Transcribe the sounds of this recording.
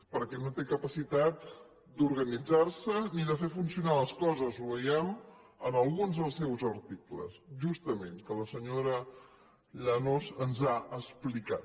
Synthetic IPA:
pəɾkɛnot̪ekəpəsit̪at̪̚ | d̪uɾɣənid͡zarsəniðəfefunsiunaləskɔzəzuβəjɛm | ənəlˠɣunzðəlˠsɛwzəɾt̪iklə̰sʒust̪əmeŋkələsəɲoɾə | ʎənosənzaəsplika̰t̪

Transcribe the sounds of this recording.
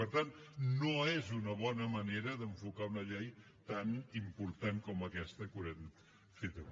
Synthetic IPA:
əɾt̪annoezunəβɔnəməneɾəðəɱfukaunəʎej | t̪animpuɾt̪aŋkɔməkɛst̪əkuɾen | fit̪u

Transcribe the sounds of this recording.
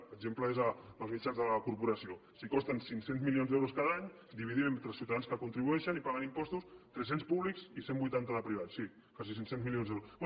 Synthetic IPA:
əɡʒempləezəbəlˠzmit͡ʃanzðələkuɾpuɾɐsiosikɔst̪ənsiŋsenzmilionzðɛwɾuskaðaɲ | d̪iβiðimemt̪ɾəlˠsiwt̪aðanskəkunt̪ɾiβuɛʃənipaɣənimpɔst̪ust̪ɾɛs̬enspuβlikzisembujt̪ant̪əðəpɾiβ̞asːi | kasis̬insenzmilionzðɛwɾosb

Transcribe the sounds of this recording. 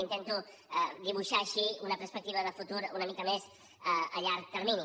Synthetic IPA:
int̪ent̪u | d̪iβ̞uʃaːʃiunəpəɾspək̚t̪iβəðəfut̪uɾunəmikəmez | əəʎaɾk̚t̪əɾmini

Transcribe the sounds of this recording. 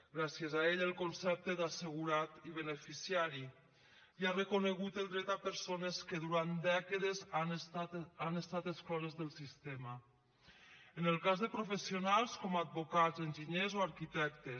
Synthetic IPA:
ɡɾasjezaeʎəlˠkonsɛp̚t̪ed̪asəɣuɾat̪iβ̞ənəfisiaɾi | iarəkuneɣut̪əlˠd̪ɾɛt̪apəɾsoneskəðuɾant̪d̪ɛkəðezan | anest̪at̪əsklɔzezðəlˠsist̪emə | ənəlˠkazðəpɾofesionalˠskɔmad̪̚bokazenʲʒiɲezoaɾkit̪ɛk̚t̪e

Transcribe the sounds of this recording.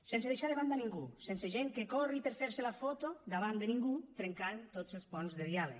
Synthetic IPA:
sɛnseðeʃaðeβand̪aniŋɡusɛnseʒeŋkekɔripeɾfeɾselafot̪od̪aβand̪eniŋɡut̪ɾeŋkant̪otzelˠspɔnzðeðjalə̰

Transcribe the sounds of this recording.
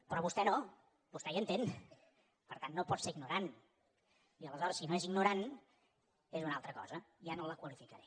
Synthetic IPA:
pɾɔβust̪ɛno | bust̪ɛjənt̪en | pəɾt̪anːopɔt̪seɾiɡnuɾan | iələzɔɾəsːinoeziɡnuɾan | ezunalˠt̪ɾəkɔ̰zə | janoləkwəlifikəɾɛ

